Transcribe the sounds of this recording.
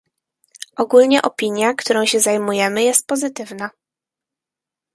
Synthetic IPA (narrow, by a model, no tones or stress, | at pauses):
ʔɔɡulɲɛʔɔpʲiɲjakt̪uɾɔ̃w̃ɕɛzajmujɛmɘjɛst̪̚pɔzɘt̪ɘvna